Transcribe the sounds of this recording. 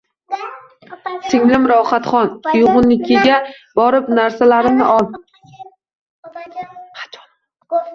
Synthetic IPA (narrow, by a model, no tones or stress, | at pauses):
sɪŋlɪmɾɒχat̪χɒnʊjʊʁʊnːɪkʲʰe̞ɡʲabɒɾɪpnaɾsalaɾɪmnɪʔɒlˠ | at͡ʃɒ̥